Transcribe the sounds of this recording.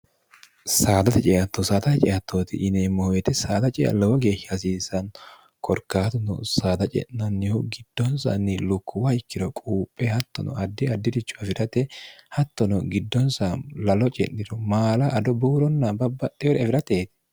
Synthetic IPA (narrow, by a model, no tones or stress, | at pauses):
saːd̪ɐt̪ɛt͡ʃʼɛjɐt̪ːɔsaːd̪ɐt̪ɛt͡ʃʼɛʔɐt̪ʰːoːt̪ɪ̰ʔːneːmːɔhɔjɛt̪ɛsaːd̪ɐt͡ʃʼɛɐ̰lɐwɔɡe̞ːʃːɐɐs̬iːsɐn | kɔɾkːaːt̪ɔnɔ̰saːd̪ɐt͡ʃʼɛ̰nnɐnːɪhʊɡɪd̪̥ːɔnsɐ̰nːɪlʊkʰːʊwɐɪkːɪd̪ɔkʼuːpʼːɛhɐt̪ːɔnɔ̰ʔɐd̪ːɪɐd̪ːɪd̪ɪt͡ʃːʊ̥ɛfɪɾɐt̪ɛhɐt̪ːɔnɔɡɪd̪ːɔnsalɐlɔt͡ʃʼɛ̰nːɪdɔmaːlɐʔɐd̪ɔbuːɾɔnːɐbɐbːɐt̪ʼːɛɔɾɛfɪɾɐt̪eːt̪ɪ̥